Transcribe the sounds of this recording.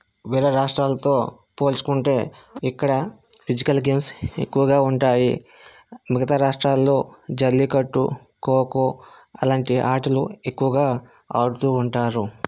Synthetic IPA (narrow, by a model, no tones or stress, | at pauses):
ʋiːɾɐɾaːʂʈɾaːlɐt̪o̞ː | po̞ːlt͡ʃu̥kuɳʈe̞ːikːɐɽɐ | pʰid͡ʒikɐlɡemse̞̰kːuʋɐɡaːuɳʈaːjḭ | miɡɐt̪aːɾaːʂʈɾaːlːo̞ːd͡ʒɐlːikɐʈːṵ | koːkuɐlaːɳʈiʔaːʈɐlue̞kːuʋɐɡaː | a̰ːɽut̪uːɳʈaːɾu